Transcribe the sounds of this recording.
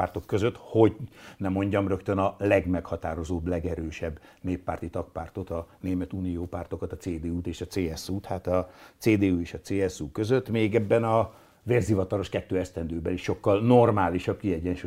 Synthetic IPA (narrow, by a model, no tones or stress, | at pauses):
art̪o̞kːø̞zøt̪ho̞ɟnɛmo̞ɲɟɒmrøkt̪ønɒlɛɡmɛkhɒt̪aːɾo̞zoːblɛɡɛɾøːʃɛbːneːpːaːrt̪it̪ɒkpaːrt̪o̞t̪ɒneːmɛt̪uːnijoːpaːrt̪o̞kɒt̪ɒt̪seːd̪eːuːt̪eːʃɒt̪seːɛsuːt̪haːt̪ɒt̪seːd̪eːueːʃɒt̪seːɛsukøzøt̪ːmeːɡɛbːɛnɒ | veːrzivɒt̪ɒlo̞ʃkɛt̪ːøːɛst̪ɛnd̪øːbɛliʃʃo̞kːɒlno̞rmaːliʃɒb̚kiɛɟːɛnʃu